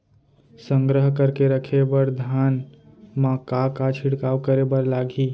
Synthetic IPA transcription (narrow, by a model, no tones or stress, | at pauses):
səŋɡɾəɦkəɾkeɾəkʰebəɾd̪ʱan | mãkakat͡ʃʰiɽkawkəɾebəɾlaɡi